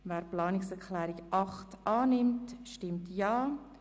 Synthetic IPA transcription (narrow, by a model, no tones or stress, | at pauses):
vɛːɾplɑːnɪksɛɾklɛːɾiɡʔɑχtʔɑːnɪmtʃtɪmtjɑː